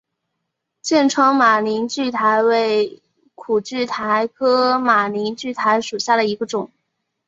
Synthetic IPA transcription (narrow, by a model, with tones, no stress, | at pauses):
t͡ɕjɛ˥˩nʈ͡ʂʰɤ˥ŋma˨˩ni˧˥nt͡ɕy˥˩t̪ʰa˧˥ɪwe˥˩ɪ | kʰu˨˩t͡ɕy˥˩t̪ʰa˧˥ɪkʰɤ˥ma˨˩ni˧˥nt͡ɕy˥˩t̪ʰa˧˥ɪʂu˨˩ɕja˥˩d̪ə˩i˧˥ɡə˧ʈ͡ʂʊ˨˩˦ŋ